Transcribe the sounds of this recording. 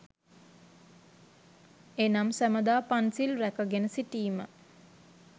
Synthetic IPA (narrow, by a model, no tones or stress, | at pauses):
enamsæməd̪aːpansilrækəɡenəsiʈiːmə̰